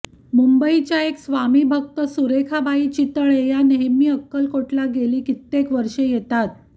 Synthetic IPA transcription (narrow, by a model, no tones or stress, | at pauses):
mumbəit͡ɕjaeksʋamiːbʱək̚t̪əsuɾekʰabʱaiːt͡ɕit̪əɭejaneɦmiːəkːəlkoʈlaɡeliːkit̪ːekʋəɾʂejet̪at̪̚